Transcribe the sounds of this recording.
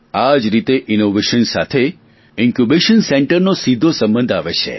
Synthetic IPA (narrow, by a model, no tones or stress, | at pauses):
ad͡ʒɾit̪eʔinoʋeʃənsa̰t̪ʰe | iŋkubeʃənsɛ̃ɳʈəɾnosid̪ʱosəmbə̃nd̪ʱaʋet͡ʃʰḛ